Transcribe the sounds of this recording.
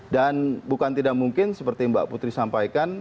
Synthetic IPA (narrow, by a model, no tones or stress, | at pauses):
danbukant̪idaʔ̚muŋkɪnsəpərt̪imba̰ʔput̪ɾisampajkan